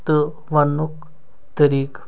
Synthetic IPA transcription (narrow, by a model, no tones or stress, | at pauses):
t̪ə | ʋɐnuk | t̪əɾiːk